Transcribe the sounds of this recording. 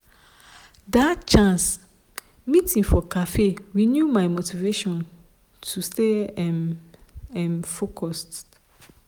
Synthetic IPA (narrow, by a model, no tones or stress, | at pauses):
datt͡ʃʰãns | mĩtʰĩŋfɔkʰafeɹinjumãɪmotʰiveʃɔ̃n | tʰusteɛn | ɛ̃nfokʰɔst